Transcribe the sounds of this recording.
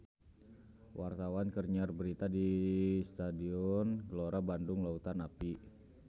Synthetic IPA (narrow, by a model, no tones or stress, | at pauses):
wʔart̪awankərɲarbəɾit̪adist̪adiɔnɡəloɾabandʊŋlaut̪anapi